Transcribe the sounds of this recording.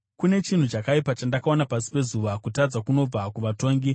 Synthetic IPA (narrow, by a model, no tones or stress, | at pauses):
kune̞t͡ʃin̤ut͡ʃakaipat͡ʃandakao̞napasi̥pe̞zuʋakutad͡zakuno̞b͡vakuʋato̞ːŋɡi